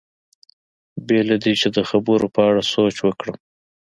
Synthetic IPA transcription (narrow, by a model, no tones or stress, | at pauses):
belad̪it͡ʃed̪əxabəɾopəaɽasot͡ʃwəkɽəm